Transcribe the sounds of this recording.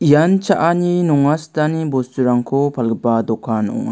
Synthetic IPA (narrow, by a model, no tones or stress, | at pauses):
ijant͡ʃaʔaninɔŋastanibɔstuɾaŋkʰɔpʰalɡəpadɔkʰanɔ̰ŋa̰